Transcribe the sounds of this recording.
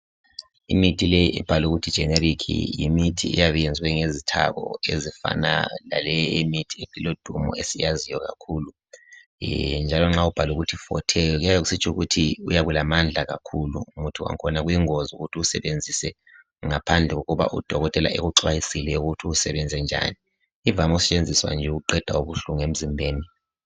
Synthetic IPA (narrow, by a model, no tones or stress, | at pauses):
ḭmitʰilejiʔɛb̥ʱaluɣutʰid̥ʒ̥ʱɛneɾikʰḭjimitʰḭɛ̰jaβɛjend͡zʱiwɛŋezitʰa̰ɣɔ̰ezifa̰na̰la̰lɛemitʰiepʰʼilod̥ʱumɔ̰esijazijɔɣa̰kʰuːlu | nd͡ʒʱalɔŋ͡ǁaub̥ʱaluɣutʰifɔ̰tʰɛjɔɣujajɔusit͡ʃʰʼuɣutʰiujaβulamand͡ɮʱaɣa̰kʰulṵːmutʰua̰ŋkʰɔnaɣujiŋozuɣutʰiusɛβend͡zʱisɛ | ŋapʰand͡ɮʱɛɣoɣuβa̰ʔṵd̥ʱɔɣɔtʼɛla̰ʔeɣuǀwajisilɛuɣutʰiːsɛβɛnd͡zʱɛnd͡ʒʱa̰niː | vamɔsɛ̥t͡ʃʼend͡zʱiswa̰nd͡ʒʱɛuɣuǃɛd̥ʱauβuɬuŋem̩zimbʱeːni